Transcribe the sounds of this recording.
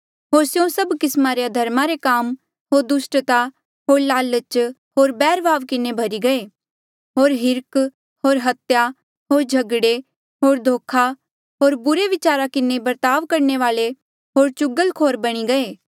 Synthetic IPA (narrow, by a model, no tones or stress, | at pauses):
ɦoːɾsjõsɐbkɪsmaɾead̪ʱɐɾmaɾekaːm | ɦoːɾd̪ʊsʈt̪a | ɦoːɾlaːlət͡ʃ | ɦoːɾbɛːɾʋaːʋkɪnebʱɐɾiɡɐeː | ɦoːɾɦɪɾk | ɦoːɾɦɐt̪ja | ɦoːɾd͡ʒʱɐɡɽe | ɦoːɾd̪ʱoːkʰa | ɦoːɾbʊɾeʋɪt͡ʃaːɾakɪnebɐɾt̪aːʋkɐɾɳeʋaːle | ɦoːɾt͡ʃʊɡəlkʰoːɾbɐɽ̃iɡɐeː